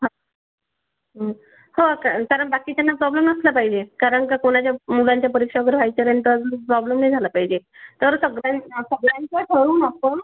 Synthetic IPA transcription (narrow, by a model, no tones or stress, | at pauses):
ɦa | ɦə | hokakaɾəɳbakit͡ɕanːapɾɔbleməslapaɦid͡ʑekaɾəɳkakoɽ̃at͡ɕjamulaɲt͡ɕjapəɾikʂaɡəɾbʱajt͡ɕəɾent̪əd͡zuɾpɾɔblemnajd͡zʱalapaɦid͡ʑet̪əɾsəɡɾasəɡlaɲt͡ɕaʈʰəɾuːnapəɳ